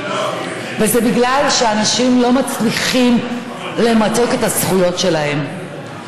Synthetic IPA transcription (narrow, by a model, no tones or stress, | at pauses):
vezɛbiɡlalʃeanaʃimlo̞mat͡sliχim | le̞mato̞ke̞thasχujo̞tʃe̞laɦe̞m